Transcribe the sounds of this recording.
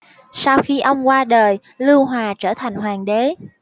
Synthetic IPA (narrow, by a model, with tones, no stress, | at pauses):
sa˧wxi˧ʔə˧wŋ͡mkwaː˧ɗəː˨˩j | lɨ˧wɦwaː˨˩t͡ɕəː˧˩t̪ʰa˨˩jŋ̟hwaː˨˩ŋɗe˨˦